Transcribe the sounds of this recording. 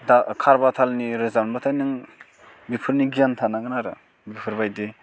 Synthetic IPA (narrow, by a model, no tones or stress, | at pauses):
dakʰaɾbatʰalniɾɯzanbatʰajnɯŋ | bipʰɯɾniɡijantʰanaɡɯnaɾɯ | bipʰɯɾbajde